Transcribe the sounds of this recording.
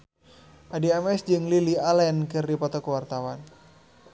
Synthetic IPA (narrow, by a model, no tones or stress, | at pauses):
ʔadiamɛsd͡ʒɨŋlilialɛnkɨrdipɔt̪ɔkəwart̪awan